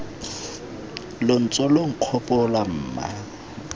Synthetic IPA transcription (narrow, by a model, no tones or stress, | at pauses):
lon̩t͡sʼɔloŋ̩q͡χʰɔpʼɔlam̩ːma̰